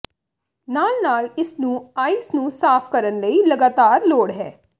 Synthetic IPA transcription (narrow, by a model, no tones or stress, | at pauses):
naːlnaːlɪsnũːaːiːsnũːsaːpʰkəɾənləilɐɡaːt̪aːɾloːɽɦɛː